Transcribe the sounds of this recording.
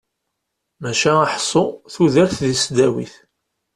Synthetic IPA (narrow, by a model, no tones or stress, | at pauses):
mæʃæaħsˤːoθuðəɾθðisd̪æwḭθ